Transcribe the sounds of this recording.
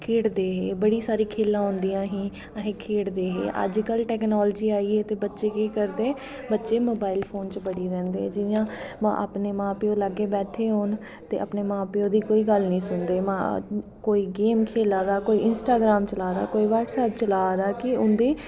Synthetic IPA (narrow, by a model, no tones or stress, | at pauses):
kʰeːɽd̪eːɦeːbəɽiːsaːɾiːkʰeːlːãːɦʊ̃nd̪ijãːɦĩː | əɦẽːkʰeːɽd̪eːɦḛːʔə̰d͡ʒkəlʈɛːknaːld͡ʒiːaːiːeːt̪eːbətːʃeːkeːkəɾd̪eː | bətːʃeːmoːbaːɪlpʰoːnt͡ʃbəɽiːɾɛ̃ːnd̪ḛːd͡ʒɪjãːmã̰ːʔə̰pneːmãːpeoːləɡːeːbɛːʈʰeːɦoːn | t̪ḛːʔəpneːmãːpeoːd̪iːkoːiːɡəlnĩːsʊnd̪eːmãːkoːiːɡeːmkʰeːlaːd̪aːkoːiːʔɪnsʈaːɡɾaːmt͡ʃəlaːd̪a̰ːkoːiːʋəːɾʈsɛːp̚t͡ʃəlaːd̪aːkɪʊnd̪eː